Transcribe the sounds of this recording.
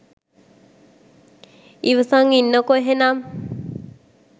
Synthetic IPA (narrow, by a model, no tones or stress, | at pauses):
iʋəsaŋinːəkoɦenam